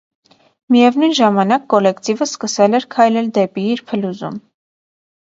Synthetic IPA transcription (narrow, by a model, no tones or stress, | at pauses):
mijɛvnujnʒɑmɑnɑkːɔlɛkt̪ivəskəsɛlɛɾkʰɑjlɛld̪ɛpiːɾpʰəluzṵm